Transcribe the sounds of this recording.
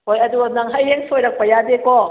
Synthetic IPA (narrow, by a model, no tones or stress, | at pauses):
hojɐduɐnɐŋɦɐjeŋsʰojɾɐk̚pɐjadeko